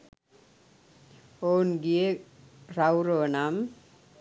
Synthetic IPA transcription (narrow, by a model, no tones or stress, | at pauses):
onɡie | ɾawɾonam